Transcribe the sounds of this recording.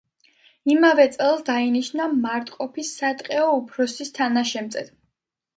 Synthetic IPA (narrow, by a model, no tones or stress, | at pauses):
imavɛt̪sʼɛlˠsd̪ainiʃnamaɾt̪ʼqʼɔpʰisːat̪ʼqʼɛɔupʰɾɔsist̪ʰanaʃɛmt̪sʼɛd̪